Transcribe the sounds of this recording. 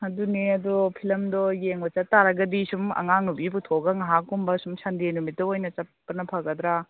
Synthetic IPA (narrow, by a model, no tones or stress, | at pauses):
ɐduneɐdɔpʰilɐmdɔjeŋbɐt͡ʃɐtːaɾɐɡɐdisumɐ̰ŋaŋnubiputʰoɡɐŋɐɦakːumbɐsumsandenumit̚dɐojnɐt͡ʃɐpːɐnɐpʰɐɡɐd̪ɾa